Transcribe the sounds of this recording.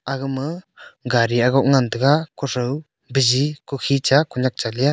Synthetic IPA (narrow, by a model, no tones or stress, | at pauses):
aɡɯmɯɡaɾiaɡɔʔ̚ŋand̪ɯkakɔɾəw | bəzikukʰit͡ʃakuɲak̚t͡ʃalija